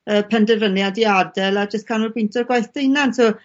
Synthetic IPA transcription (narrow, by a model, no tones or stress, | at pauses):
əːpʰɛndɛvənjadiadɛlˠad͡ʒəstkʰanʊlbɪntʰɔrɡwajθd̥ejnantʰɔ